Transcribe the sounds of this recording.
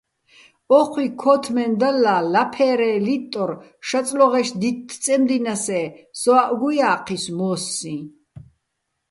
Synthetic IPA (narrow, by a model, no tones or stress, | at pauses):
ɔχʰwikʰɔt̪ʰmɛnd̪alːalapʰɛɾɛlit̪ʼːɔɾʃat̪t͡sʼlɔʁɛʃd̪it̪ʰːt͡s̪ʼɛmd̪inasɛsɔaʔɡujaːqʰismɔːsːĩ